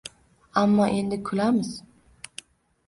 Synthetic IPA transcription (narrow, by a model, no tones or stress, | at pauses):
amːɒʔe̞nd̪ɪkʰʊlamɪz̥